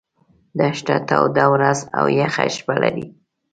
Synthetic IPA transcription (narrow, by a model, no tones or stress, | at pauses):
d̪aʃʈat̪awd̪awɾazawjaxaʃbalaɾi